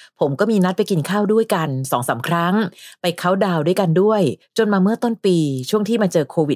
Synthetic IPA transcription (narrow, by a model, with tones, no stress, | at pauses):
pʰo˩˦mkɔː˥˩miː˧na˦˥t̪̚pa˧jki˧nkʰaː˥˩wdu˥˩əjka˧nsɔː˩˦ŋsa̰ː˩˦mkʰɾa˦˥ŋpa˧jkʰa˦˥˩wdaː˧wdu˥˩əjka˧ndu˥˩əjt͡ɕo˧nmaː˧mɯ˥˩ɐt̪o˥˩npiː˧t͡ɕʰu˥˩əŋt̪ʰiː˥˩maː˧t͡ɕɤː˧kʰoː˧wi˨˩t̪